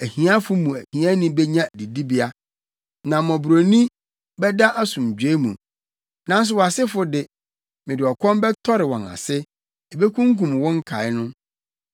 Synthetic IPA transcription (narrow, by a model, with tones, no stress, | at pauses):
æ˨hĩ˨˦a˦fʊ˦mũ˨æ˨hĩ˨ã˦nĩ˦bɛ˦ɲã˦æ˨di˨di˦bi˦a˦ | nã˨mɔ̃˨bu˨ɾo˨nĩ˦ | bɛ˦da˦ʔa˦sʊ̃˨m˨d͡ʑᶣe˦mṵ̃˨ | nã˦n˦s̬ʊ˨wɔ˨a˨sɪ˦fʊ˦dɪ˨ | mɪ̃˨dɪ˨ɔ˨kʰʷɔ̃˦mbɛ˦tʰɔ˦ɾɪ˨wɔ̃˨na̰˨sɪ˦ | ɛ˨be˦kʰũ˦ŋ˦k̬ũ˨mwɔ̃˦ŋ̩˦kʰa̰˨ɪ˦nʊ̃˦